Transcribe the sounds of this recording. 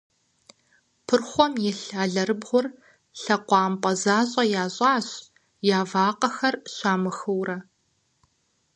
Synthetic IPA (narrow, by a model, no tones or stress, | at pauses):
pʰɨrχʷɔmjɛɬaːɮɐɾɨbʁʷʊr | ɬɐqʷɑːmpʼɐzaːɕʼɐjaːɕʼɑːɕ | jaːvaːqɐxɐrɕaːmɨxɨwrɐ